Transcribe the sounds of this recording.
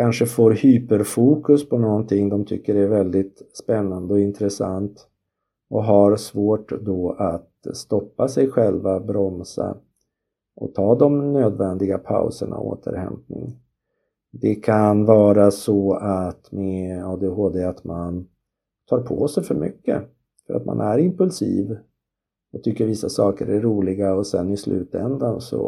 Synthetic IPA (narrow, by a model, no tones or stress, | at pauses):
kʰanʂəfoːɾhyːpəɾfuːkɵspʰɔnɔnt̪ʰɪŋːd̪ɔmt̪ʰʏkːəɖɛɛvɛld̪ɪt̪spɛnːand̪əɔɪnt̪ɾɛsa̰nt̪ | ʔɔɦaɾsvoːʈd̪ɔat̪st̪ɔpːasɛjɧɛlvabɾɔmsa̰ | ʔɔ̰t̪ʰɑːd̪ɔmnøːd̪vɛnd̪ɪɡapʰa̰ʊsə̰ɳʔa̰o̰ːt̪ʰə̰ɾhɛ̰mpnɪ̰ŋ | d̪ɛkʰanvɑːɾasɔat̪mɛɑːd̪eɦoːd̪eat̪man | t̪ʰɑːɾpʰoːsɛjfœɾmʏkːə̰ | fœɾa̰t̪mʔa̰nʔæɾɪmpɵlsiːv | ɔt̪ʰʏkːəɾvɪsːasɑːkəɾæɾuːlɪɡaɔsɛnːɪslʔʉ̟̰ːt̪ɛnd̪ansɔ̰